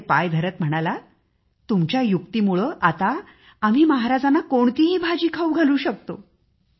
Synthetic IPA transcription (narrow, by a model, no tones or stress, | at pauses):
pajd̪ʱəɾət̪m̤əɽ̃ala | t̪umt͡ɕjajukt̪iːmuɭəʔat̪aː | m̤iːməɦaɾad͡zanːakoɳt̪iːɦiːbʱad͡ʑiːkʰauɡʱəluːɕək̚t̪o